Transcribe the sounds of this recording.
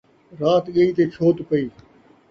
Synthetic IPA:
ɾaːt̪ɠəiːt̪eːt͡ʃʰoːt̪pəiː

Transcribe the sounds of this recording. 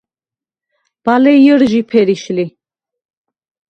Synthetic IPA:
b̥alɛjəɾʒipʰɛɾiʃli

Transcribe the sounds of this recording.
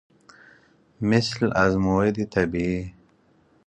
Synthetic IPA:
mɪslazmued̪it̪ʰabii

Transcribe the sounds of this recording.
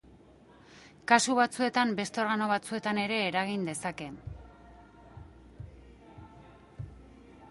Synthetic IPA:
kasuβat͡sue̞t̪ambe̞st̪o̞ɾɣano̞β̞at͡sue̞t̪ane̞ɾe̞ːɾaɣ̞ind̪e̞sake̞

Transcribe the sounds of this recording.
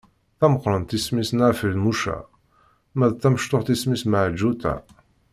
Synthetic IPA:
θæməqːɾˤənt̪ismisnaʕfilmuʃæ̰ | mæðt̪ːæməʃt̪ʊħt̪ismisməʕd͡ʒːut̪æ̰

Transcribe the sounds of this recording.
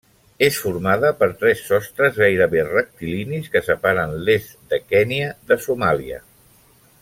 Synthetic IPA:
esfuɾmað̞əpəɾt̪ɾɛsːɔst̪ɾəzɣajɾəβerək̚t̪iliniskəsəpaɾənlez | d̪əkɛniəðəsumaliə̰

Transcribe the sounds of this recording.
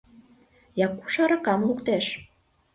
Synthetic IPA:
jɑku̥ʃɑɾɑkɑmlukt̪eʃ

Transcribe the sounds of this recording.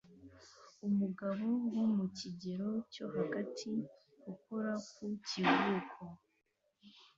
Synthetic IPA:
umuɡaβowumuciɟeɾo̞co̞haɡatʰi | ɡukoɾakucivuːkʰo

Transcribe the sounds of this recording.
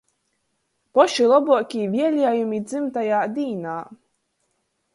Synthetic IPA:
pɔʃulˠɔbuɔkʲivʲiɛlʲiɛjumid̪zɨmt̪ajaːd̪iːnaː

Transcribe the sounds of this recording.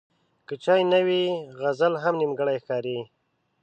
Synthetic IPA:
kət͡ʃɑjnawiɣazalɦamnimɡəɽajxkɑɾi

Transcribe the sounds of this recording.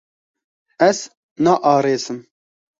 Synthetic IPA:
ɛz | nɑːʔɑːɾeːzɨm

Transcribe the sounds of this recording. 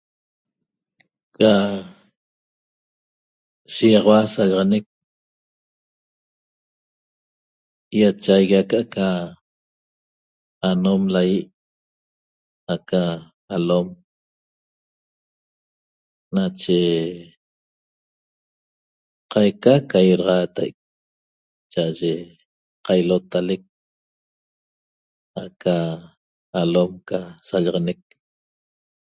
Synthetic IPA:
a | ʃijɑʁɑwasaʎɑʁɑnek̚ | jat͡ʃajɣakaʔaʔka | anomlajiʔ | aka | alom | nat͡ʃe | qajkakajiɾɑʁɑːt̪a̰ʔk̚ | t͡ʃaʔaʒe | qajlot̪alek̚ | akʰaː | lomkasaʎaʁɑnek̚

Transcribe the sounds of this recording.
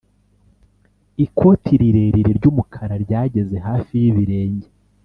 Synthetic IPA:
ikʰo̞tʰiɾiɾe̞ːɾiɾeɾɟuːmukʰaɾaɾɟaːɟe̞ze̞ɦaːfijiβiɾe̞ːɲɟe

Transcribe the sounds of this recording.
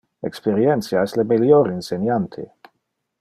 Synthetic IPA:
ɛkspeɾjɛnt̪sjaɛslemiljoɾinsenjant̪ʰḛ

